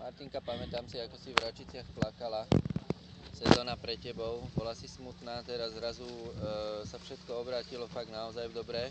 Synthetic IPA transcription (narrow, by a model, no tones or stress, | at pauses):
maɾt̪iŋkapamɛt̪aːmsiakɔsivɾat͡ʃit͡sɪaxplakala | sɛzɔːnapɾɛcːɛbɔʊbɔlasismut̪naːt̪ɛɾazzɾazu | safʃɛt̪kɔɔbɾaːcilɔfaɡnaɔzajvd̪ɔbɾɛː